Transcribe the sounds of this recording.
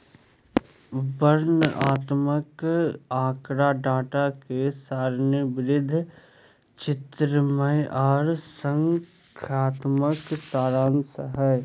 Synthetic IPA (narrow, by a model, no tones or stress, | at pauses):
bəɾnəaːt̪məkaːkɾaɖaːʈakesaːɾnəbɾɪd̪ʱ | t͡ʃɪt̪ɾəməjʔɔːɾsəŋ | kʰaːt̪məksaːɾaːnsəɦəj